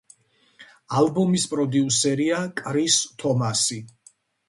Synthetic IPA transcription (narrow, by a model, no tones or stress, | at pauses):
albɔmispʼɾɔd̪iusɛɾiakʼɾist̪ʰɔmasi